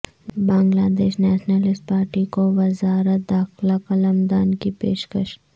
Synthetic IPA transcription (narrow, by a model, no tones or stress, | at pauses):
bãːŋɡlaːd̪eːʃnɛːʃnəlɪsʈ̚paːɾʈikoʋɐzaːɾət̪̚d̪aːxlakɐləmd̪aːnkipeːʃkəʃ